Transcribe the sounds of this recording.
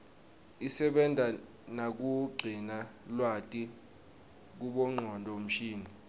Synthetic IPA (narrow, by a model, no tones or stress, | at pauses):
isɛɓɛndʱa | nak̬uɡ͡ǀʱinalwatʼi | k̬uɓɔŋ͡ǃʱɔndʱɔm̩ʃiːni